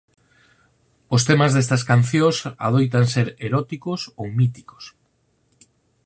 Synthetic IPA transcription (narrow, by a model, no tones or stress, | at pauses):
ost̪emazðest̪ɐskanθjõsa̰ðojt̪anseɾeɾɔt̪ikosowmit̪i̥ko̥s